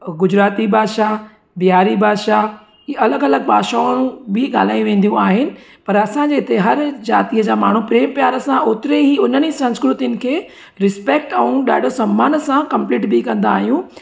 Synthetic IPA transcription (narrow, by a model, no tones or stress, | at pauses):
ɡʊd͡ʑɾaːt̪ibʱaːʃa | bijaːɾibʱaːʃa | ɐləɡɐləɡbʱaːʃaɽ̃ũbɪɡa̰ːl̤aːijũʋẽːn̆d̪ijũaːɦɪnɪ̆ | pɐɾɐsãd͡ʑeːɪt̪eɦɐɾd͡ʑaːt̪iəd͡ʑaːmaːɳ̤upɾeːmpjaːɾəsãoːt̪ɪɾeɦiʊn̤ənisɐ̃nskɾʊt̪iʊnɪ̆kʰeː | ɾɪspeːk̚ʈɛũɗa̰ːɖ̤ʱosɐmːaːnsãkɐ̃mpliːʈbikɐ̃nd̪a̰ːɦijũ